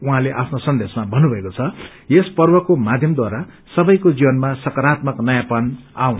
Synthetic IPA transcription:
uɦãleʔapʰnosʌnd̪esmabʱʌnːubʱʌekot͡sʰʌ | jespʌrbʌkomad̪ʱjʌmd̪waɾa | sʌbʌjkod͡zibʌnmasʌkʌɾat̪mʌknʌjãpʌna̰wn

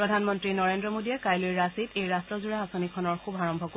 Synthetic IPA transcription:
pɹɔdʱanmɔntɹinɔɹendɹɔmodiɛkajlojɹasitejɹastɹɔzuɹaasonikʰɔnɔɹxubʱaɹɔmbʱɔk

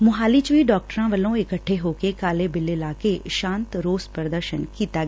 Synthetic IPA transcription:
mʊɦaːlit͡ʃiɖɔːk̚ʈəɾãʋɐlõɪkəʈʰːeɦoːkekaːlebɪlɪlaːkeʃãːnt̪ɾoːspɾɾəd̪əɾʃənkiːt̪aɡ

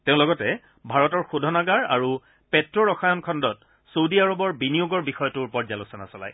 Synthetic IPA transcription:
teʊ̃lɔɡɔtɛ | bʱaɹɔtɔɹxudʱɔnaɡaɹa̰ɹu | pɛtɹɔɹɔxajɔnkʰɔndɔt | sodiaɹɔbɔɹbinijuɡɔɹbixɔjɔtʊɹpɔɹzalusɔna̰sɔla̰j

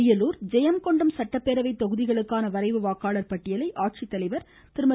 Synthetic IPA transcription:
ɪjɐluːɾd͡ʒɛjɐmkɔɳɖɯmsɐʈːɐpːeːɾɐʋɐɪt̪ːɔɣɯðɪɣɐɭɯkːaːnɐʋɐɾɐɪʋɯʋaːkaːɭɐɾpɐʈːɪjɐlɐɪʔaːʈ̚t͡ʃit̪ːɐlɐɪʋɐɾ | t̪ɪɾɯmɐ

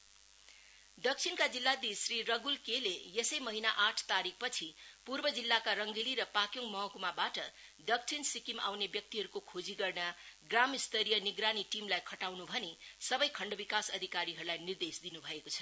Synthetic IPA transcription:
d̪ʌk̚t͡sʰinkad͡zilːad̪isrirʌɡulkelejesʌjmʌɦinaʔaʈʰt̪aɾik̚ʰpʌt͡sʰipurbʌd͡zilːakaɾʌŋɡiliɾʌpakjoŋmʌɦʌ̃kumabaʈʌd̪ʌk̚t͡sʰinsikima̰wnebjʌk̚t̪iɦʌɾukokʰod͡ziɡʌrnaɡramist̪ʌɾijʌniɡɾaniʈimlajkʰʌʈawnubʱʌnesʌbʌjkʰʌɳɖʌbikasʌd̪ʱikaɾiɦʌɾulajnird̪esd̪inubʱʌekot͡sʰʌ̥

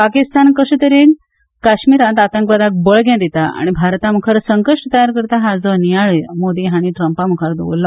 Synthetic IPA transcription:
pakist̪ankəsəːt̪əɾen | kaɕmiɾãnt̪at̪əŋkʋad̪ak̚bəɭɡʱjãd̪it̪aa̰ɽ̃ibʱaɾt̪am̤ukʰəɾsəŋkəʂʈt̪əjaɾkəɾt̪aɦad͡zɔnijaɭmod̪iːɦaɽ̃iʈɾəmpam̤ukʰəɾd̪o̰ʋo̰lːa

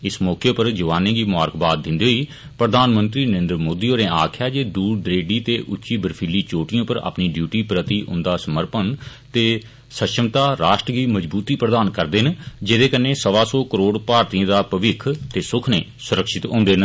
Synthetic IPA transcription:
ɪsmɔːkeːpəɾd͡ʒəʋaːnẽːɡiːmaːɾkbaːd̪̚ːɪ̃nd̪eːɦoiː | pɾəd̪aːnmə̃nt̪ɾiːnəɾẽːnd̪ɾəmoːd̪iːoːnẽːaːkʰjaːd͡ʒeːd̪uːɾd̪ɾeːɖiːt̪eːʔʊtːʃiːbəɾpʰɪlːiːt͡ʃoːʈɪjõːpəɾa̰ːpniːɖjuːʈiːpɾət̪iːʔʊ̰̃nd̪aːsəməɾpən | t̪eː | səʃəmt̪aːɾaːʃʈɾɡiːməd͡ʒbuːt̪iːpɾəd̪aːnkəɾd̪eːnd͡ʒeːd̪eːkənːeːsəʋaːsɔːkəɾoːɽpaːɾt̪iə̃ːd̪aːpəʋɪkʰt̪eːsʊkʰneː | sʊɾəkʃɪt̪ɦõ̰ːnd̪eːn

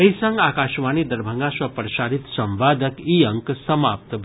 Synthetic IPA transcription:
eisɐ̃ŋɡaːkaʃʋanid̪əɾbʱəŋɡãsɐpɾəʃaɾit̪sə̃mʋad̪ʱəkiəŋksəmap̚t̪bʱ

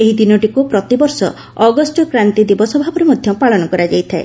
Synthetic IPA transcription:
eɦid̪inɔʈikupɾɔt̪ibɔɾsɔ̰ | ɔɡɔsʈɔkɾant̪id̪ibɔsɔbʱabɔɾemɔd̪ʱjɔmpaɭɔnɔkɔɾad͡ʒajt̪ʰae

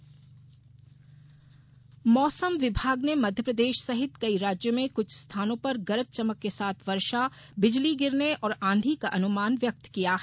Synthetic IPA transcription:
mɔːsəmʋɪbʱaːɡnemɐd̪ʱjəpɾɐd̪eːʃsɐɦɪt̪kɐiɾaːd͡ʒjomẽkʊt͡ʃʰst̪ʰaːnõpɐɾɡɐɾək̚t͡ʃɐməkːesaːt̪ʰʋɐɾʃa | bɪd͡ʒliɡɪɾneʔɔːɾãːnd̪ʱikaʔɐnʊmaːnʋjɐk̚t̪kijaɦ

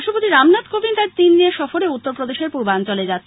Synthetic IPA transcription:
ʃopot̪iɾamnat̪kobint̪aɾt̪inːieʃɔfoɾeut̪ːoɾpɾod̪eʃeɾpuɾbant͡ɕoled͡ʑat̪ːʰ

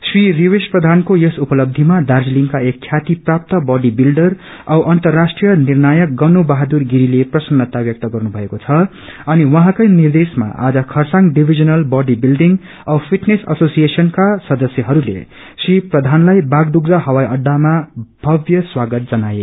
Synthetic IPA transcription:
sririwesprʌd̪ʱankojesupʌlʌb̚d̪ʱimad̪ard͡zliŋkaekʰːjat̪iprap̚t̪ʌbʌɖibilɖʌr | ʌwʔʌnt̪ʌrːasʈrijʌnirnajʌk̚ɡʌnubaɦad̪urɡiɾileprʌsʌnːʌt̪abjʌk̚t̪ʌɡʌrnubʱʌekot͡sʰʌ | ʌniwʌɦãkʌjnird̪esma̰ʔa̰d͡zʌkʰʌrsãŋɖibʱid͡zʌnʌlbʌɖibilɖiŋɡ | ʌpʰiʈnesʌsosijesʌnkasʌd̪ʌsjʌɦʌɾulḛ | sriprʌd̪ʱanlajbaɡd̪uɡ̚d͡zaɦʌwajʌɖːamabʱʌbjʌswaɡʌt̪̚d͡zʌnaje

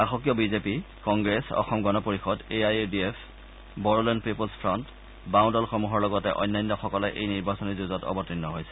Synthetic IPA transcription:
axɔkjɔbizepi | kɔŋɡɹesɔ̰xɔmɡɔnɔpoɹixɔdeajediepʰ | bɔɹolɔnpipɔlspʰɹɔnt | bãw̃ndɔlxomuɦɔɹlɔɡɔtɛ̰ʔɔ̰jnːajnːɔxɔkɔlɛʔejniɹbasɔnizuzɔtɔ̰bɔtinːɔɦojsɛ̥

